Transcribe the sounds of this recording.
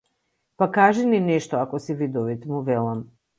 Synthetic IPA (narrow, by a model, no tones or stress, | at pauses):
pakaʒininɛʃt̪ɔakɔsivid̪ɔvit̪ɛmuvɛlˠam